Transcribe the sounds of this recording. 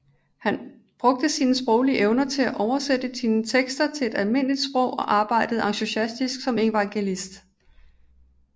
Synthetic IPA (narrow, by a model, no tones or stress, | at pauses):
hæn | b̥ʁɔ̽ɡ̥̚d̥əsiːnəsb̥ʁɔʊliʔeʊnɐt͡sʰe̝læʔɒʊɐsed̥ədinət͡sʰeɡ̥sd̥ɐt͡sʰe̝e̝d̥ælme̝n̰əlid̥sb̥ʁɔ̽ʊ̰ɒ̽ʔɑ̈ːb̥ɑ̈ɪ̰d̥əð̩ˠɑ̈ŋɕuɕæsd̥isɡ̥sɒ̽me̝ʋɑ̈ŋɡ̥e̝lisd̥